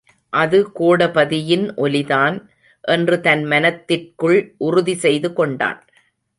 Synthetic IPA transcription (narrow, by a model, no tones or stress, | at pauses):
ʔɐðɯkoːɽɐpɐðɪjɪnʔɔlɪðaːn | ʔɛndrɯt̪ɐnmɐnɐt̪ːɪrkɯɭʔʊrʊðisɛjðɯkɔɳɖa̰ːn